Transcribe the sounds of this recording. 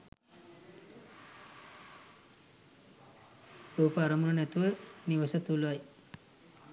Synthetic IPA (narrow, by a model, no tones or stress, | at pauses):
oːpəaɾəmunənɛt̪uʋəniʋəsət̪ulʋaj